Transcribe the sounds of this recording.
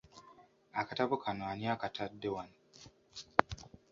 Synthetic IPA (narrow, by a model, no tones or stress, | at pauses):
akataβukʰanoaniakatʰadːewan